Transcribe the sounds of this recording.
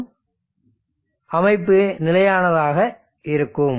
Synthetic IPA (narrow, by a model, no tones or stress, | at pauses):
ʔɐmɐɪpːɯnɪlɐjaːnɐðaːɣɐ | ʔɪɾɯkːɯm